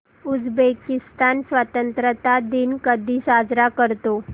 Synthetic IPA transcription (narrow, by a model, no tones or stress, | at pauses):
ud͡zbekist̪ansʋat̪ənt̪ɾət̪ad̪inkəd̪ʱiːsad͡zɾakəɾt̪o